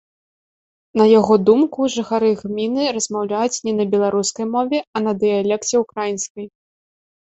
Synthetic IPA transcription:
nɐjaɣɔd̪umkuʐɨxaɾɨɣmʲinɨɾɐzmawlʲajut͡sʲnʲɛnɐbʲɛlˠaɾuskɐjmɔvʲɛɐnɐd̪ɨjalʲɛkt͡sʲɛukɾajinskɐj

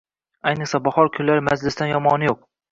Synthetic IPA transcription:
ajnɨχsabɒhɒɾkʲʰʊllaɾɪmad͡ʒlɪsd̪anjɒmɒnɪjoq̚

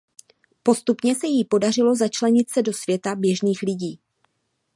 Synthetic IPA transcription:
po̞st̪upɲɛsɛjipo̞dar̝ɪlo̞zat͡ʃlɛɲɪt̪sɛdo̞svjɛt̪abjɛʒniːxlɪɟiː

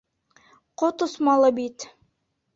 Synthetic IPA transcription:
qot̪ŏsmɑlˠɤbit̪

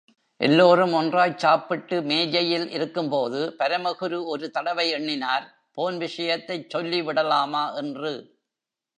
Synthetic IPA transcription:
ʔɛ̰lːoːɾɯmɔndraːjt͡ʃaːpːɪʈːɯmeːjɐjɪlʔɪ̰ɾɯkːɯmpoːðɯpɐɾɐmɐɣɯɾɯɔɾɯt̪ɐɽɐʋɐɪɛɳːɪnaːɾ | poːnʋɪʂɐjɐt̪ːɐɪt͡ʃsɔlːiʋɪɽɐlaːmaːʔɛndrɯ

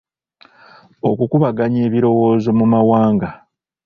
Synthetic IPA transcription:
o̞kukuβaɡaɲe̞ːβiɾo̞wo̞ːzo̞mumawaːŋɡa

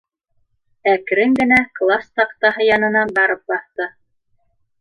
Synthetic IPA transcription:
ækɾɘŋɡɘ̆næklˠast̪ɑqt̪ɑɦɤjɑnɤ̆nɑbɑɾɤp̚bɑθt̪ɤ

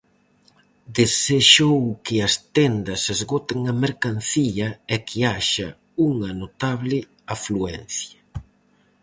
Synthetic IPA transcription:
d̪eseʃowkɪɐst̪ɛnd̪ɐsezɣot̪ɪŋɐmeɾkan̟θiʎɐɛkʰɪaʃɐ | uŋɐnot̪aβlɪ | afluɛnθjɐ

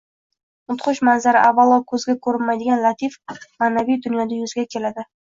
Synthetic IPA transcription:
ʊt̪χʊʃmanzaɾɪ̰ʔavːalˠɒkʰɵzɡʲakʰɵɾɪnmajd̪ɪɡʲanlˠat̪ʰifmaːnavijd̪ʊnjɒd̪ajʊzɪɡʲakʲʰe̞lad̪ɪ

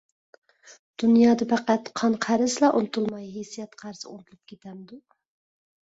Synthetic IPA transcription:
d̪̥unjɑːd̪ɑpʰæqæt̪qʰɑnqʰæɾɪslˠɑʔolˠt̪ʰulˠmɑjɦesijɛt̪qʰæɾsɨo̰lˠt̪ʰulˠup̚kʲʰet̪ʰɛmd̪u

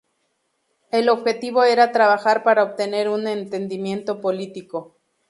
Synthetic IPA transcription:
elo̞bxe̞t̪iβoeɾat̪ɾaβaxaɾpaɾaoβt̪ene̞ɾunent̪end̪imje̞nt̪o̞polit̪iko

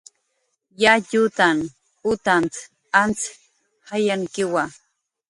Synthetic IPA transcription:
jaʎut̪an | ʊt̪ant͡s | ant͡s | hajaŋkɪwa

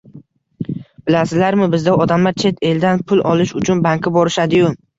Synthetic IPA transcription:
b̥ɪlasɪzlaɾmɪbɪzd̪aɒd̪amlaɾt͡ʃʰe̞t̪ʰe̞ld̪anpʰʊlˠʔɒlˠɪʃʊt͡ʃʰʊnbaŋkʲʰɪbɒɾɪʃad̪ɪjʊ

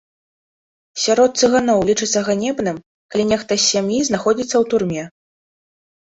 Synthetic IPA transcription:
sʲaɾɔt̪̚sɨɣanɔwlʲit͡ʂɨt̪sːɐɣanʲɛbnɨm | kalʲinʲɛxt̪ɐsʲːamjiznaxɔd͡zʲit̪sːɐwt̪urmʲɛ

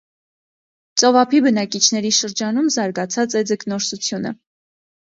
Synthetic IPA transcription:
t͡sʼɔvɑpʰibənɑkit͡ʃʰnɛɾiʃəɾd͡ʒɑnumzɑɾɡɑt͡sʰɑt͡sɛd͡zəknɔɾsut͡sʰjunə̰

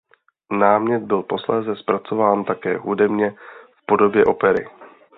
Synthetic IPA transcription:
naːmɲɛd̪̚bɪlpo̞slɛːzɛspɾat͡so̞vaːnt̪akɛːɦudɛbɲɛfpo̞do̞bjɛʔo̞pɛɾɪ̰

